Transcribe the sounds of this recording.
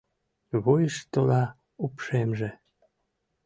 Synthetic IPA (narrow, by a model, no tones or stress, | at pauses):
βojəʃt̪olɑ | upʃemʒe